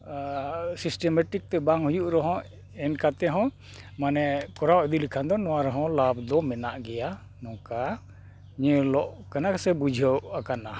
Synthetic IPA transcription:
sisʈɛmɛʈik̚t̪ɛbaŋɦujuʔɾɔɦɔ̃ | ɛnkat̪ɛɦɔ̃ | manɛkɔɾawɛd̪ilikʰand̪ɔnɔwaɾɔɦɔ̃lab̚d̪ɔmɛnaʔɡɛja | nɔ̃ka | ɲɛ̃lɔʔkanaksɛbud͡ʒʱəwakana

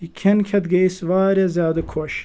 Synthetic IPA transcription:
ikʰenkʰɐt̪ɡejsʋaːɾjɐzʲaːd̪ukʰoʃ

